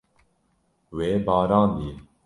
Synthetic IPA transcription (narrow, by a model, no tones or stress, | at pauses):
weːbɑːɾaːnd̪i